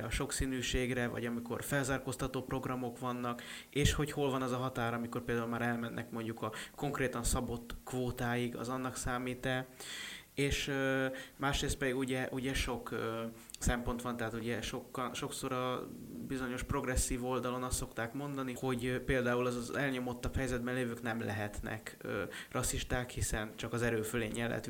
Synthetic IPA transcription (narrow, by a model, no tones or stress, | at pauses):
ɒʃo̞ksiːnyːʃeːɡrɛvɒ̰ɟɒmiko̞̰rfɛlzaːrkost̪ɒt̪oːpro̞ɡrɒmo̞kʋɒnːɒk | eːʃho̞cho̞lvɒnɛzɒɦɒt̪aːɾɒmiko̞rpeːld̪aːulmaːɾɛlmɛnːʔɛ̰kmo̞ɲɟukɒko̞ŋkreːt̪ɒnsɒbo̞t̪kʋoːt̪aːjiɡɒ̰zɒnːɒksaːmiːt̪ɛ | eːʃ | maːʃreːst̪pɛd̪iɡuɟɛʔuɟɛʃo̞kː | sɛmpo̞nt̪ʋɒnt̪ɛɦaːt̪uɟɛʃo̞kːɒnʃo̞kso̞ɾɒbizo̞ɲo̞ʃpro̞ɡrɛsːiːvo̞ld̪ɒlo̞nɒst̪ːo̞kt̪aːkmo̞nd̪ɒniho̞ɟpeːld̪aːulɒɛlɲo̞mot̪ːɒphɛjzɛd̪̚bɛnleːvøːknɛmlɛɦɛt̪nɛ̰kørʔɒsiʃt̪aːkhisɛnt͡ʃɒkɒzɛɾøːføleːɲːɛlːɛ̰t̪